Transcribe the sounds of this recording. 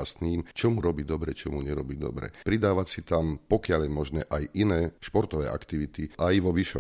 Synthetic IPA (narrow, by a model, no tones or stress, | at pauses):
ast̪niːmt͡ʃɔmuɾɔbiːd̪ɔbɾɛt͡ʃɔmuɲɛɾɔbiːd̪ɔ̰bɾɛ̰pɾid̪aːʋacsit̪ampɔkɪaljɛmɔʒnɛːʔajinɛːʃpɔɾt̪ɔʋɛ̰ːʔa̰kt̪iʋit̪iʔajʋɔʋiʃɔ̰